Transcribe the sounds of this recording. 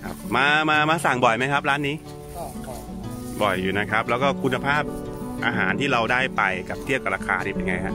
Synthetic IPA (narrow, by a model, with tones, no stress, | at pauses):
kʰa̰˦˥˩p̚maː˧maː˧maː˧sa˨˩ŋbɔ˨˩jma˦˥jkʰa˦˥p̚ɾaː˦˥nːiː˦˥ | bɔ˨˩jːuː˨˩na˦˥kʰa˦˥p̚lɛː˦˥wkɔː˥˩kʰu˧nːa˧pʰaː˥˩p̚ʔa̰ː˧ɦaː˩˦nt̪ʰiː˥˩ɾa˧wdaː˥˩jpa˧jka˨˩p̚t̪ʰi˥˩wka˨˩ɾaː˧kʰaː˧t̪ʰiː˦˥˩a˧ŋa˧jhʰa˦˥ʔ